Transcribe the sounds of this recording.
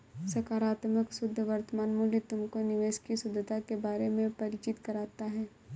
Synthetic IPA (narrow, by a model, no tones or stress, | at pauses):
sɐkaːɾaːt̪məksʊd̪ʱːəʋɐɾt̪əmaːnmʊljət̪ʊmkonɪʋeːʃkisʊd̪ʱət̪akebaːɾemẽpɐɾɪt͡ʃɪt̪kɐɾaːt̪aɦɛː